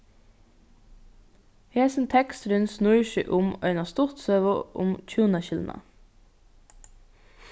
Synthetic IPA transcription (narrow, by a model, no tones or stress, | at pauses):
heːsn̩t̪ʰɛkst̪ɾʉnsnuʏʃʏʔʊmœʏnɑst̪ʊʁt̪søːʋʊʔʊ̰mc͡çuːənəçɪlʊnʔə̰